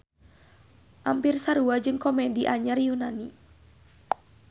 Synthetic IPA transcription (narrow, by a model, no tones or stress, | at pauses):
ʔampirsaɾuad͡ʒɨŋkɔmɛdiʔaɲarjunani